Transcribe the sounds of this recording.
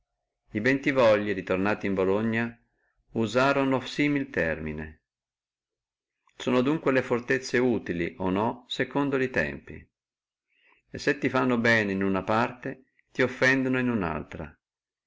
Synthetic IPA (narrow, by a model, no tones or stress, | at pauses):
ibɛnt̪ivɔʎːiɾit̪ornaːt̪imboloɲːa | uzaːɾonosiːmilt̪ɛrminḛ | soːnod̪uŋkwelefort̪et̪sːeuːt̪iliʔonɔsekond̪oit̪ɛ̰mpḭ | esːet̪ːifanːobɛːneinunapart̪e | t̪iofːɛnd̪onoinuna̰lt̪ɾa̰